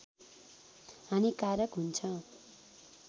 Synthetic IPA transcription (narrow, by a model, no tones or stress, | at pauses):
ɦamikaɾjʌkɦunt͡sʰʌ̃